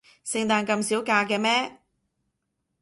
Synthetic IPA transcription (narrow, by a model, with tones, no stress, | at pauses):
sɪ˧ŋt̪aː˨˧nkɐ˧msiː˨˥wkaː˧kɛː˧mɛː˥